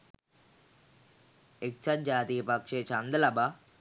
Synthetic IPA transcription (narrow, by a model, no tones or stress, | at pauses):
ek̚t͡ʃʰɐd͡ʒaːt̪ijɐpɐkʂet͡ʃɐnd̪ɐlɐba